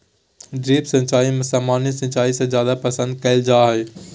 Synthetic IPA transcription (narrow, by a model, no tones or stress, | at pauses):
ɖɾeːpsɐ̃ɲt͡ʃaːimɪsamaːnisɐ̃ɲt͡ʃaːisãzjaːd̪apɐsə̃nd̪̚kɐɪld͡ʒaːɦeː